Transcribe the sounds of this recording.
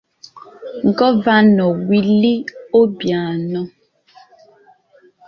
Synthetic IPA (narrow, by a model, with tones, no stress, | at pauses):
ŋ˨ɡɔ˦va˦nɔ˨wi˦li˦o˦bja˨nɔ˦